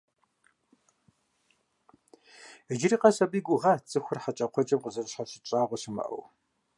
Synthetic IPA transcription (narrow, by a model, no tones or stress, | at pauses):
əd͡ʒɪriːqɐsɐbiːɡʷʼʊʁɐt͡sʼɨxʷʊrħat͡ʃʼɐqʷʰɔt͡ʃʼɐmqəzɐrɕħaɕɪt͡ʃʼaːʁʷɔɕɪmɐ̰ʔɐ̰w